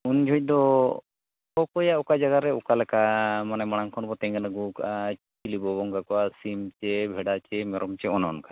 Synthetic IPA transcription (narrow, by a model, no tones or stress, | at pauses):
und͡ʒʱɔc̚d̪ɔ | ɔkɔjaɔkad͡ʒaɡaɾɛɔkalɛkamanɛmɔɽ̃aŋkʰɔnbɔt̪ɛ̃ŋɡanaɡuka | ilibɔbɔŋɡakɔasimt͡ʃɛbʱɛɖat͡ʃɛmɛɾʔɔmt͡ʃɛɔnaɔɔnka